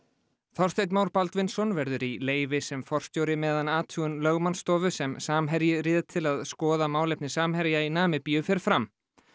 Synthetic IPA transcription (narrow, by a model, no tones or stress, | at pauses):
θɔr̥st̪ejt̪̬maːwɾpalt̪vɪnsɔnvɛɾðʏɾileːjvɪsɛmfɔr̥st̪jowɾɪmɛːðanaːt̪ʰuːʏnlœɣmanst̪ɔːvʏsɛmsaːmɦɛɾjɪɾɪːðɪt̪ʰɪlaðskɔːðamaːwlejp̚nɪsaːmɦɛɾjainaːmɪpijʏfɪɾɪ̥ɾfɾam